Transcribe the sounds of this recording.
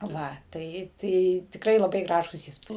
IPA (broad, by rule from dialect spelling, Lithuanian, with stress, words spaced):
ˈʋɐ ˈtɐɪ ˈtɐɪ tʲɪkˈrɐɪ lˠɐˈbɐɪ ˈɡrɑːʒuːs ˈiːspuːt